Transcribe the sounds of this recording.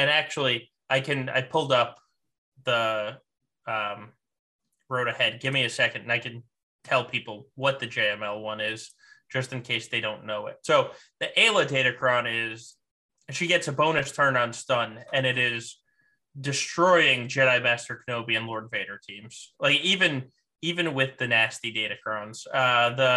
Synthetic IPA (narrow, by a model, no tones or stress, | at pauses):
ɨ̃ñæk̚t͡ʃul̩ˠi | ʔaɪkɨ̃na̰ɪ̥pʰʊlˠdʌp̚ | ðə | ʌ̃m | ɹoʊɾɨhɛd̚ɡɪvmiɨsɛkɨ̃n̩dɨ̃naɪkɨ̃n | tʰɛlˠpʰipl̩ˠwʌt̪̚ðɨd͡ʒeɪɛ̃mɛlˠwʌ̃nɪz̥ | d̥ʒ̥ʌstɨ̃n̩kʰeɪsðeɪɾõʊ̃nːoʊɪ̰t̚soʊ | ðiʔeɪlˠədeɪɾɨkʰɹ̥ãʊ̃nɪz̥ | ʃiɡɛtsɨbõʊ̃nɨstʰɜ̃˞nə̃nstʌ̃nɨ̃nɨɾɪz | dɨstɹ̥ɔɪɪ̃ŋd͡ʒɛɾaɪmæstə˞kʰnoʊbiɨ̃nlɔɹdveɪɾə˞tʰĩmz̥laɪkivɨ̃n | ivɨ̃nwɪðɨnæstideɪɾɨkʰɹ̥ãʊ̃nz̥ʌðə